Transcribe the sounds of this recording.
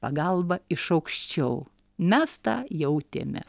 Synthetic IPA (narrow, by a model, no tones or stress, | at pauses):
pɐɡɐlˠbɐɪʃɐʊkʃʲt͡ʃʲɛʊ | mʲɛst̪ɑːjɛʊt̪ʲḛmʲɛ̰